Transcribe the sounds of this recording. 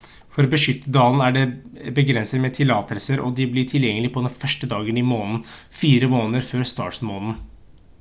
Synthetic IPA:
fɔɾɔbəʂʏt̪ːəd̪ɑːlənæɖɛbəɡɾɛnsəɾmɛt̪ʰɪlɑːt̪ʰəlsəɾʔɔ̰d̪ɪblɪʈʰɪljɛŋːəlɪpʰɔd̪ɛnfœʂʈəd̪ɑːɡənɪmoːnn̩fiːɾəmoːnəɾføːɾst̪ɑ̰ːʈsmoːnn̩

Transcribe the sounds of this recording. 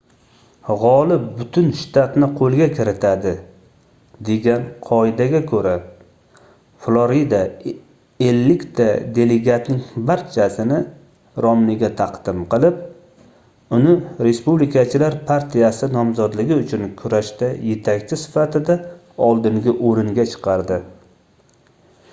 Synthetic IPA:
ʁɒlɪp̚bʊt̪ʰʊnʃt̪ʰat̪nɪqʰolˠɡʲakʲʰɪɾɪt̪ʰad̪ɪ | d̪e̞ɡʲanqʰɒɪd̪aɡʲakʰɵɾa | flˠoɾid̪a | elːɪkʲt̪ʰad̪e̞le̞ɡʲat̪nɪŋbaɾt͡ʃʰasɪnɪ | ɾɒmnɪɡʲat̪ʰɑqd̪̥ɪmqɨlˠɪp̚ | ʊnɪɾe̞spublɪkat͡ʃʰɪlaɾpʰaɾt̪ʰijasɪnɒmzɒd̪lɪɡʲɪʊt͡ʃʰʊnkʰʊɾaʃt̪aje̞t̪ʰakʲt͡ʃʰɪsɪ̥fat̪ɪd̪a | ɒlˠd̪ɪŋɡʲɪʔoɾɪŋɡʲat͡ʃʰɨ̥qʰɑɾd̪ɪ

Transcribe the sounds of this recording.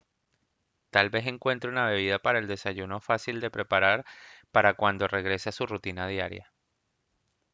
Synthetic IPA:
t̪albe̞se̞ŋkwe̞nt̪ɾounaβe̞β̞iðapaɾaeld̪e̞saʝuno̞fasild̪e̞pɾe̞paɾaɾpaɾakwand̪o̞re̞ɣ̞ɾe̞seasurut̪inaðjaɾja̰

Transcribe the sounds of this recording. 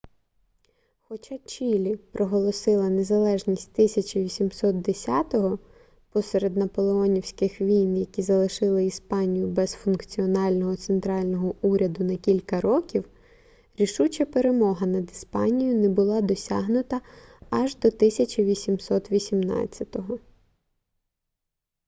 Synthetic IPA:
xɔt͡ʃat͡ʃʲilʲipɾʔɔɦɔlˠɔsɪlˠɐnezɐlˠɛʒnʲisʲt̚ʲt̪ɪsʲɐt͡ʃɐʋʲisʲimsɔt̪̚d̪esʲat̪ɔɦɔ | pɔseɾed̪nɐpɔlˠeɔnʲiwsʲkɪxʋʲijnjɐkʲizɐlˠɪʃɪlˠɪispɑnʲijʊbɛzfʊnkt͡sʲiɔnɑlʲnɔɦɔt̪sent̪ɾɑlʲnɔɦɔuɾʲɐd̪ʊnɐkʲilʲkɐɾɔkʲiw | ɾʲiʃut͡ʃɐpe̞ɾe̞mɔɦɐnɐd̪ispɑnʲijʊnɛbʊlˠɑd̪ɔsʲɑɦnʊt̪ɐɐʒd̪ɔt̪ɪsʲɐt͡ʃɐʋʲisʲimsɔt̪ʋʲisʲimnɑ̰t͡sʲːɐt̪ɔɦɔ

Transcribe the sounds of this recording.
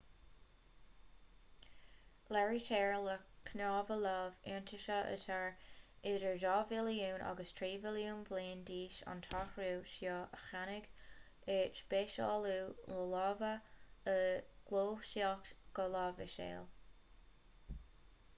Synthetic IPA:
lɛɹitɛːɹləkʰnɑːvəlɑːvɪɹntʰɪʃəʔə̰tʰaɹɪdəɹʒɑːvɪljuːnʔa̰ɡəstʰɹiːvɪljuːnvleːndiːʃɑ̰nt̪ʰɑxɹuːʃjɔːʔəxanɪɡ | ɪt͡ʃb̥eːʃɑ̰ːluːləlɑːvəəɡ̥loːʃiɑksɡ̥əlɑːvɪʃḛːl

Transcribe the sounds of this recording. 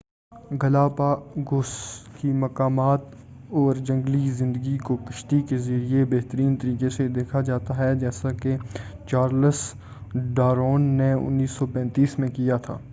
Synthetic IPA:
ɡɐlaːpaɡʊskimɐkaːmaːt̪ | ɔːɾd͡ʒɐ̃ŋɡlizɪ̃nd̪əɡikokɐʃt̪ikezəɾiebɐɦt̪əɾiːnt̪əɾiːkesed̪eːkʰad͡ʒaːt̪aɦɛd͡ʒɛːsake | t͡ʃaːɾləs | ɖaːɾoːnːeʊ̰nːiːsːɔpɛ̃ːnt̪iːsmẽkijat̪ʰa̰ː

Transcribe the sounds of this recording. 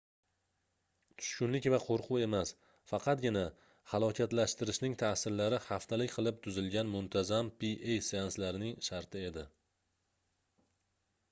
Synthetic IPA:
t̪ʰʊ̥ʃkʲʊnlɪkʲvaqʰoɾqʰʊe̞mas | fɑqʰɑt̪̚ɡʲɪna | hɑlˠɒkʲʰat̪laʃt̪ɪɾɪʃnɪŋt̪ʰasɪɾlaɾɪhaft̪ʰalɪkʲqʰɨlˠɪp̚t̪ʰʊzɪlɡʲanmʊnt̪ʰazampiʔejseanslaɾnɪŋʃaɾt̪ʰɪe̞d̪ɪ

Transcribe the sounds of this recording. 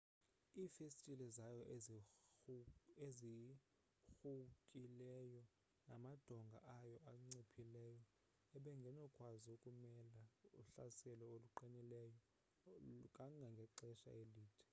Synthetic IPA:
iːfestʼilɛzajɔ | ezi | xukʼilɛjɔ | namad̥ʱɔŋɡʱa̰ʔajɔʔaŋ͡ǀipʰilɛjɔ | ɛɓɛŋɡʱɛnɔkʼwaziokʼumɛlauɬasɛlɔoluǃinɛlɛjɔ | kʼaŋɡʱaŋɡʱɛǃɛʃa̰eliːtʰɛ̥

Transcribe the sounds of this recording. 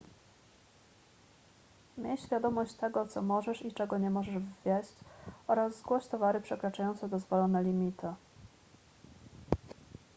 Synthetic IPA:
mʲjɛɕfʲjad̪ɔmɔɕt͡ɕt̪ɛɡɔt̪sɔmɔʐɛʂit͡ʂɛɡɔɲɛmɔʐɛʐvvʲjɛɕt͡ɕʔɔɾazːɡwɔɕt̪ɔvaɾɘpʂɛkɾat͡ʂajɔnt̪sɛd̪ɔzvɔlɔnɛlʲimʲit̪ɘ

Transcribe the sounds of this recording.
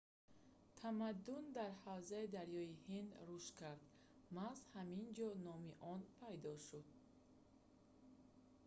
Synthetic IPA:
t̪ʰamad̪ːund̪aɾhawzaid̪aɾjɔihind̪ɾuʃkʰaɾd̪ | mazhamind͡ʒɔnɔmiʔɔnpʰajd̪ɔʃud̪̚

